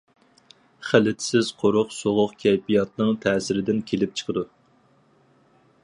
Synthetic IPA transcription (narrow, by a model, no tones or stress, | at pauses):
χælɪt̪ʰɪ̥sɪz̥qʰoɾʊqsoʁʊqkʲʰɛjpijɑt̪̚nɨŋt̪ʰɛːsɪɾɪd̪ɪnkʲʰelɪp̚t͡ʃʰə̥qʰəd̪u